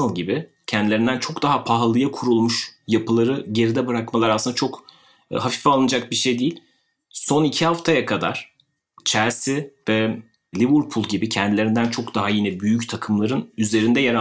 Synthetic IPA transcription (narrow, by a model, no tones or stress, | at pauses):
alɟibɪ | cʰɛnd̪ilʲe̞ɾind̪ænt͡ʃʰo̞kd̪aɦapʰaɦlˠɯjakʰuɾulˠmuʃjapʰɯlˠaɾɯɟe̞ɾid̪ɛbɯɾakmalˠaɾasɯnd̪at͡ʃʰo̞k | ɦafi̥falˠɯnad͡ʒak̚biɾʃe̞jd̪ijilʲ | so̞nicʰihaft̪ʰajakʰad̪a̰ɾ̥ | t͡ʃʰæɾsivɛ | lʲivuɾpʰulˠɟibicʰɛnd̪ilʲeɾind̪ænt͡ʃʰo̞kd̪aɦajinɛbyjyct̪ʰakʰɯmlˠaɾɯnyze̞ɾind̪ɛjaɾa